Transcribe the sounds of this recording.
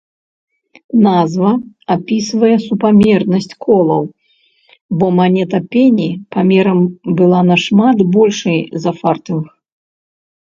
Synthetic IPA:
nazvɐ | apʲisvɐjɛsupamʲɛrnɐsʲt͡sʲkʰɔlˠɐw | bɔmanʲɛt̪ɐpʲenʲipamʲɛɾɐmbɨlˠanɐʂmat̪bɔlʲʂɐjzɐfart̪ɨnx

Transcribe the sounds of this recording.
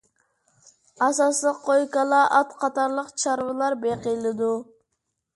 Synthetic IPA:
ɑsɑslˠəqʰːojkɑlˠɑʔɑt̪qʰɑt̪ɑɾlˠəqt͡ʃʰɑɾvɨlˠɑɾbeqəjlˠɨd̪u

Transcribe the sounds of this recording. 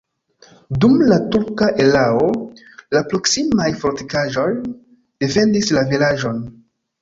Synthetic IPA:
dumlatuɾkaʔe̞lao | lapɾo̞ksimajfoɾtikaʒo̞j | d̥e̞fe̞ndislavilaʒo̞n

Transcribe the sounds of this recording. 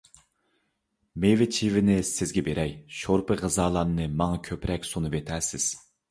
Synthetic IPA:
mevɪt͡ʃʰivɪnɪsɪzɡʲɛbeɾʔɛjʃoɾpʰɨʁɨzɑːlˠɑnnɨmɑŋɑkʲʰøpɾɛkʲsonɨvet̪ʰæsɪz̥

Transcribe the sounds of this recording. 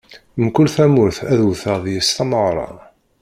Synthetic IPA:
mkʊlθæmʊɾθæðuθəðjəst̪ɑməʁɾˤɑ̰

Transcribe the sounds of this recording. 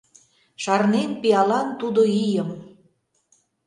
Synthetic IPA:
ʃɑrnenpiɑlɑnt̪ud̪oijəm

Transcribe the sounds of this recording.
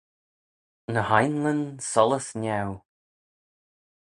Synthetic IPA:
nəhajnlə̃nsɔlˠəsnɛw

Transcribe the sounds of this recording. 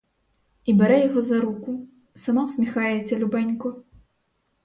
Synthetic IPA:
ibʲɛɾɛjaɣɔzɐɾuku | samawsʲmʲɛxajɛt͡sʲɛlʲubanʲkɔ

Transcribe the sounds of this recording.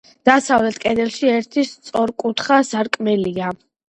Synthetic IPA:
d̪̥asavlɛt̪ʰkʼɛd̪ɛlˠʃiɛɾt̪ʰist̪sʼɔɾkʼut̪ʰχasaɾkʼmɛlia

